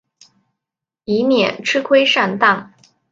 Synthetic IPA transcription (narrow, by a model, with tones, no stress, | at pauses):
i˧˥mjɛ˨˩nʈ͡ʂʰɻ̩˥kʰwe˥ɪʂa˥˧nt̪ɑ˥˩ŋ